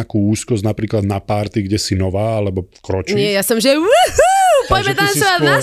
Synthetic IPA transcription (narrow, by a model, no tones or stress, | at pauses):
akuːuːskɔzɟnapɾiːklad̪napaɾt̪iɡɟɛsinɔʋaːalɛbɔkɾɔt͡ʃɲiɪɛjasɔmʒɛwup̪ɔɟmɛt̪ansa